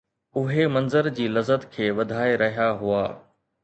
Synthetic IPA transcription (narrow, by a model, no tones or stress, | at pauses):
ʊɦemɐ̃nzəɾd͡ʑiːlɐzət̪kʰeːʋɐd̪ʱaːeɾɐɦijaɦʊaː